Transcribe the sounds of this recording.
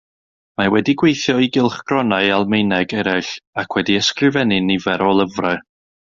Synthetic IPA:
mawɛdiɡwejθjɔiɡɪlˠχɡ̥rɔnaɨalˠmejnɛɡɛɾɛɬakʰwɛdiəskrɨvɛnɨnivɛɾɔlˠəvraɨ

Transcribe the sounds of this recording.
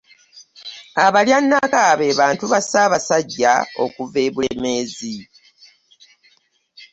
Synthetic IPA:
aβaljanːakaβe̞ːβaːntuβasaːβasaɟːao̞̰kuve̞ːβuleme̞ːzi

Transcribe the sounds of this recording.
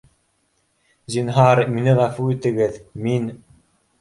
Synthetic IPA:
zinɦɑɾminɘʁafuit̪ɘ̆ɡɘðmin

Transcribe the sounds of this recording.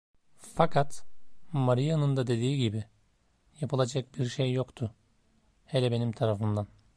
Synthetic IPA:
fakʰat̪maɾijanɯnd̪ad̪e̞d̪iːɟibi | japʰɯlˠad͡ʒak̚biɾʃejːokt̪ʰʊ | hɛlʲɛbe̞nimt̪ʰaɾafɯnd̪an

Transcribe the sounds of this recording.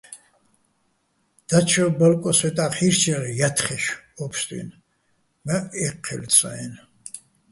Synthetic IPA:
d̪̥at͡ʃʰɔbəlkʼɔswɛt̪ʼaχiɾt͡ʃʰɛʁijat̪ʰχɛʃɔpʰst̪ʼḭn | maɛqʰːɛ̰lsʼaɛn

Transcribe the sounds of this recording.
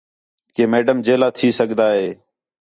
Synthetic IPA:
keːmeːɖəmd͡ʒeːlaːt̪ʰiːsəɡd̪aːɦeː

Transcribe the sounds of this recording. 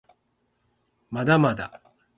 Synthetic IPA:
mad̪amad̪a̰

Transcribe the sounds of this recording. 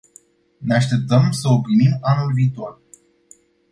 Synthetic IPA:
neaʃt̪e̞p̚t̪əmsəopɾimimanulviːt̪o̞r

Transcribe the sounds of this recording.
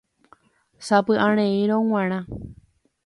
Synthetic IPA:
sapɨʔãɾ̃ẽĩɾõŋ̃ãɾ̃ã

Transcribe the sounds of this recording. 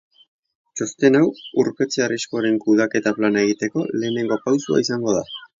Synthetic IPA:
t͡ʃo̞st̪e̞nawuɾpe̞t͡searisko̞ɾe̞ŋkuðake̞t̪aplanaeɣ̞it̪e̞ko̞le̞ːne̞ŋɡo̞pawsua̰isaŋɡo̞ða

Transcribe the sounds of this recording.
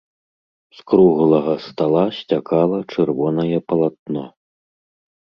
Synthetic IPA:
skɾuɣlˠɐɣɐst̪alˠasʲt͡sʲakalˠɐt͡ʂɨrvɔnɐjɛpɐlˠat̪̚nɔ

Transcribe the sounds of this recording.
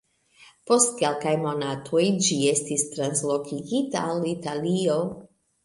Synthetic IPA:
po̞stke̞lkajmo̞natʰo̞jd͡ʒie̞stistɾanslo̞kiɡitaːlitalio̞

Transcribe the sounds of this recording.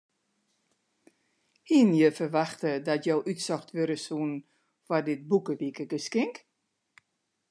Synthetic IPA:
hinjəfərʋaxtədɔtjowʔytsɔxtʋøɾəsuən | fɔdɪt̚bukəʋikəɡəskɪŋk

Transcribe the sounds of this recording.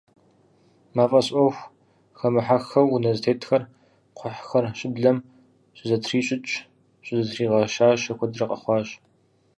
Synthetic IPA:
maːfʼɐɕʼɔxʷ | xɐmɨħaxɐwnɐztʰeːtʰxɐr | qʷʰʊħxɐrɕʼɪbɮɐm | ɕʷʼɪzɐtʰriːɕʼɪt͡ʃʼ | ɕʷʼɪzɐtʰriːʁɐʃaːʃɐkʷʰɔdɨrɐqʼɐ̰χʷɑːɕ

